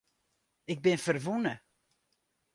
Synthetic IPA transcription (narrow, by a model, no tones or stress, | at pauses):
ɪɡ̚bɪnfərʋunə